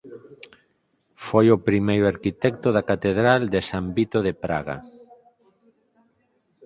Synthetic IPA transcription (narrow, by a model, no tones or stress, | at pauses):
fojʊpɾimejɾoaɾkit̪ɛkt̪oðakat̪eðɾald̪esambit̪oðepɾa̰ɣa̰